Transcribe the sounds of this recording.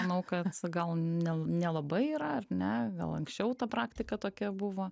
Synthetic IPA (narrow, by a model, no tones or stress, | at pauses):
ɐnɐʊkɐt̪ɡɐlˠnʲɛnʲɛlˠɐbɐɪiːɾɐɐrnʲɛɡɐ̰lˠɐŋksʲt͡ʃʲɛʊt̪ɐpɾɑːkt̪ʲɪkɐt̪oːkʲɛbʊʋoː